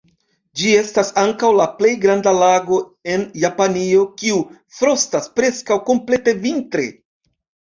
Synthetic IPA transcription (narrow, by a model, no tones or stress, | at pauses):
d͡ʒie̞stasaŋkawlaple̞jɡɾandalaɡo̞e̞njapanio̞kiu | fɾo̞staspɾe̞skawko̞mple̞te̞vintɾe̞̰